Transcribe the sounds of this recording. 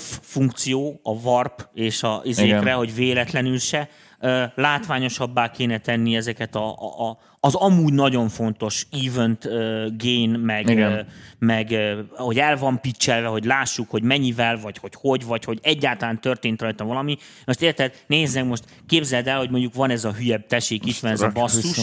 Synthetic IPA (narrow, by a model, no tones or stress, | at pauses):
fuŋkt̪sijoːɒvɒrpeːʃɒizeːkrɛɦo̞ɟveːlɛt̪lɛnylʃɛ | øːlaːt̪ʋaːɲo̞ʃɒbːaːkeːnɛt̪ɛnːiɛzɛkɛt̪ɒː | zɒmuːɟnɒɟo̞ɱfo̞nt̪o̞ʃiːvønt̪øɡeːjnmɛɡ | mɛɡøːho̞ɟɛlvɒmpit͡ʃːɛlvɛɦo̞ɟlaːʃːukho̞ɟmɛɲːivɛlvɒcho̞cho̞ɟvɒcho̞ɟɛɟːaːlt̪ɒlaːnt̪ø̞rt̪eːnt̪rɒjt̪ɒvɒlɒmi | mo̞ʃt̪eːrt̪ɛd̪neːznɛkmo̞ʃt̪ | keːbzɛld̪ɛlho̞ɟ̚mo̞ɲɟːukʋɒnɛzɒɦyjɛb̚t̪ɛʃiːkit̪ʋɒnɛzɒbɒsːuʃ